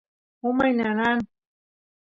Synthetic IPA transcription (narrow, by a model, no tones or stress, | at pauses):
ʊmajnanan